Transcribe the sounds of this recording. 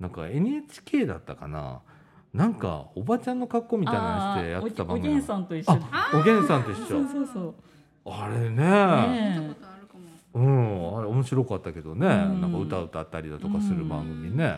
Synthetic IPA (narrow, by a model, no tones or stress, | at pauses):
nãŋka̰e̞ɲ̟iet͡ɕi̥kʲe̞ːd̪a̰t̪ːakana̰ | nãŋka̰obat͡ɕãnːo̞kakːo̞mʲit̪ainaɕt̪e̞jatet̪abãŋɡĩsãnt̪oiaoɡẽ̞ɰ̃sãnt̪eiɕoo | aɾe̞ne̞ | ɯ̟̃ɴaɾeo̞mo̞ɕiɾo̞kat̪ːake̞d̪o̞ne̞nãkaɯ̟t̪aɯ̟t̪at̪ːaɾʲid̪at̪o̞kasɨɾɯ̟bã̰ŋɡɯ̟mʲine̞